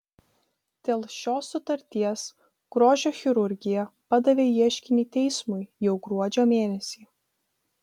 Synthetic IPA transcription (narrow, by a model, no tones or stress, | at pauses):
d̪̥ʲeːlˠʃʲoːsːʊt̪ɐɾʲt̪ʲiɛs | ɡ̥ɾoːʒʲoːxʲɪɾʊɾʲɡʲɪjɛpɐd̪ɐʋʲeːiɛʃʲkʲɪnʲiːt̪ʲɛɪsmʊɪjɛʊɡɾuɔd͡ʒʲoːmʲeːnʲɛsʲiː